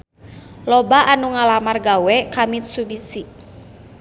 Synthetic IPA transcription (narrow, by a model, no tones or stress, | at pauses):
lɔbaʔanuŋalamarɡawɛkamit̪̚subisi